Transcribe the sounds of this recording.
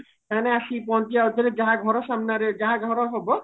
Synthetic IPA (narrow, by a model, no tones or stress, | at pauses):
kaneaʃipɔnt̪iaot̪iɾed͡ʒaɦaɡʱɔɾɔʃamnaɾed͡ʒaɦaɡʱɔɾɔɦɔbɔ